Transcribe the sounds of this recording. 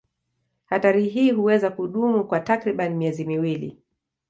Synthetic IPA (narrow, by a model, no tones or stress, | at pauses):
hataɾiɦiːhuwɛzakuɗumukwatakɾiɓanimiɛzimiwilḭ